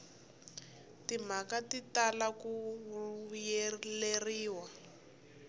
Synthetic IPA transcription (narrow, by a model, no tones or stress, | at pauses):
tim̤akatitalaku | jeleriːwa